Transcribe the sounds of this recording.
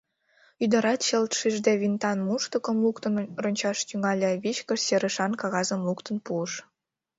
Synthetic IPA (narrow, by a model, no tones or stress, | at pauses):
yd̪ə̆ɾɑt̪ɕelt̪ʃiʒd̪eβint̪ɑnmuʃt̪ə̆kəmlukt̪ənronʲt͡ɕɑʃt̪yŋɑlʲeβit͡ɕkə̆seɾə̆ʃɑnkɑɣɑzəmlukt̪ənpuəʃ